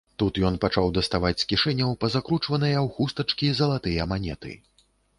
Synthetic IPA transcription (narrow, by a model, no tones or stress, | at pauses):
t̪ut̪jɔnpat͡ʂawd̪ɐst̪avat͡sʲskʲiʂɛnʲɐwpɐzakɾut͡ʂvɐnɨjɐwxust̪ɐt͡ʂkʲizɐlˠat̪ɨjɐmanʲɛ̰t̪ɨ̰